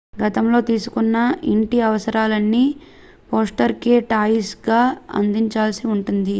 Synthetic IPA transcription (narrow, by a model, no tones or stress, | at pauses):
ɡɐt̪ɐmlo̞ːt̪iːsukunːɐiɳʈiɐʋɐsɐɾaːlɐnːi | poːsʈɐɾkeːʈaːisɡaːɐ̰nd̪iɲt͡ʃaːlsiuɳʈund̪i